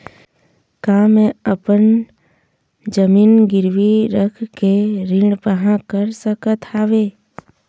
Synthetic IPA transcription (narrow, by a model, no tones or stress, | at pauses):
kaːmẽəpən | d͡ʒəmiːnɡɪɾwiɾəkʰkeɾɪ̃ɖbəɦãkəɾsəkət̪ʰaːʋeː